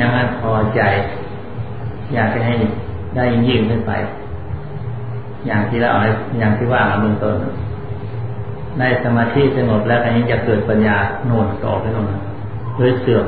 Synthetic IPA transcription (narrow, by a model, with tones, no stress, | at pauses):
ɲa˧˥ŋa˧˥˩pʰɔː˧t͡ɕa˧j | jaː˨˩k̚t͡ɕa˧˩ɦa˥˩j | daː˥˩˨jːiː˧ŋjɯː˧˩˨nkʰɯ˥˩npa̰˧j | jaː˨˩ŋt̪ʰiː˥˩˨a̰ː˦˧˩ʔɦa˧˩jaː˨˩ŋt̪ʰiː˥˩waː˥˩ma˧˩be˧˨nt̪o˧˩n˧˥ | daː˥˩jsa˧maː˧t̪ʰiː˦˥˨sa˧ŋo˨˩p̚lɛː˦˥wka˧˩ɲiː˧˥ŋt͡ɕaː˨˩kːɤː˨˩t̪̚pa˧njaː˧noː˧˩nt̪ɔ̰ː˨˩pʰa˧˩jnoː˧˩˨nha˧˩ | loː˧˥˨jsɯ˨˩ə